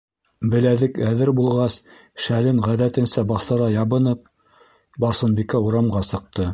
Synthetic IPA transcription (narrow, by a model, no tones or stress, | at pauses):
bɘ̆læðɘkæðɘɾbulˠʁɑs | ʃælɘnʁæðæt̪ɘ̆nsæbɑθɤ̆ɾɑjɑβɤ̆nɤp̚ | bɑɾsɤ̆nbikæuɾɑmʁɑsɤ̆q̚t̪ɤ